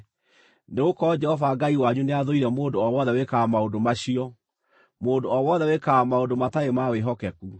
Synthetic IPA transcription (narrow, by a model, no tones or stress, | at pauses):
neɣokɔd͡ʒɛhɔvaɡaiwaɲuneaðoiɾɛmondoɔwɔðɛwekaːmaondomaɕiɔ | mondoɔwɔðɛwekaamaondomataemaweɦɔkɛku